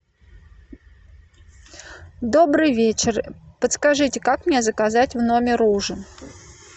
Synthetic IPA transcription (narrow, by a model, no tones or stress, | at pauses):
d̪o̞bɾɨjvʲet͡ɕɪrpət̪skɐʐɨtʲɪkakmnʲezəkɐzatʲvno̞mʲɪɾuʐɨ